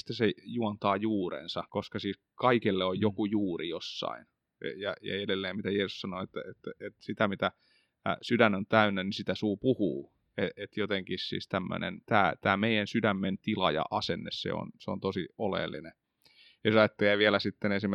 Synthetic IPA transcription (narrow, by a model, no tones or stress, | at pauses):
st̪æsejuɑnt̪ɑːjuːrḛnsɑkoskɑsiː | kɑikelːeojjokujuːrijosːɑ̰in̰ | jɑjɑ̰edelːeːmmit̪æjeːsussɑnoet̪ːæet̪ːæet̪sit̪æmit̪æ̰ | sydænont̪æynːænisit̪æsuːpuhuː | eet̪jot̪eŋkissḭːst̪æmːø̰nḛnt̪æːt̪æːmeijænsydæmːent̪ilɑjɑ̰ʔɑsenːḛssḛo̰nseo̰nt̪osiolḛlːḭne | jɑsɑet̪ːeæʋiælæsit̪ːenesim